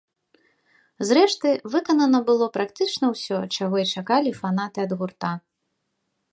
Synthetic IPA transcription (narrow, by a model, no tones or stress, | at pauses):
zɾɛʂt̪ɨvɨkɐnɐnɐbɨlˠɔpɾakt̪ɨt͡ʂnɐwsʲɔt͡ʂaɣɔit͡ʂakalʲifan̪at̪ɨɐd̪ɣurt̪a